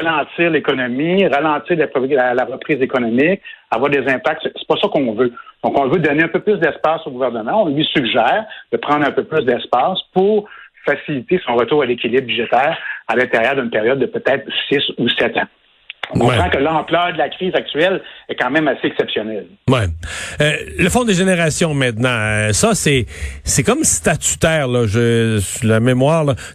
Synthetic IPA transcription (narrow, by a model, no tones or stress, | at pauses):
ʁalɑ̃t̪iːʁlekɔnɔmiʁalɑ̃t̪iːʁlalalaʁəpχiːzekɔnɔmɪk̚avwaːʁd̪ezɛ̃pak̚t̪ssɛ̥pɔsʌkɔ̃vød̪̥ɔ̃kɔ̃vød̪ɔneœ̃pøplʏs̬d̪ɛspaːsoɡuvɛʁnəmãɔ̃lɥisyɡʒɛːʁd̪̥əpʁɑ̃d̪ʁœ̃pøplʏsd̪ɛspɑːspuʁfasilit̪esɔ̃ʁət̪uːʁalekʲilɪbbyʒɛt̪ɛːʁalɛ̃t̪ɛʁjœːʁd̪ynpeʁjɔd̪ːəpøt̪ɛːt̪χsɪsusɛt̪ã | ɔ̃kɔ̃wpʁãkəlɑ̃ːplœːʁd̪əlakʲʁiːzak̚t̪ɥɛlɛkɑ̃mɛ̃maseɛksɛpsjɔnɛl | wɛ | ləfɔ̃d̪eʒeneʁasjɔ̃mɛ̃t̪nɑ̃øsʌsɛsɛkɔmst̪at̪y̥t̪ɛːʁlʌʒəsylamemwɑːʁlʌ